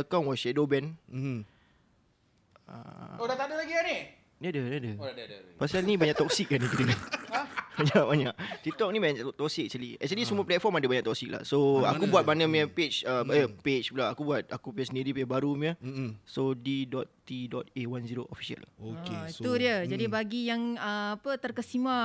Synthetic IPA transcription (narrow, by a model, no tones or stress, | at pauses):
akanwɔʃɛdobɛn | ə̰odat̪adəlaɡiani | dədədadəpasalnĩbaɲaʔt̪ɔk̚sik̚ːanikit̪ə | baɲaʔbaɲaʔt̪it̪ɔk̚nĩbaɲat̪ɔksikɛk̚t͡ʃəliɛ̰k̚t͡ʃəlisəmũəplɛt̪fɔmadabaɲaʔt̪ɔk̚sik̚la̰hsoakubuat̪̚banəmĩəpet͡ʃəbpet͡ʃpulaakubuat̪̚akupiasəniɾipibaɾumiəsodidɔt̪̚ːidɔt̪̚ewanziɾoʔofi̥sia̰l̰okeit̪udiəd͡ʒadibaɡijaŋəapət̪ərkəsimã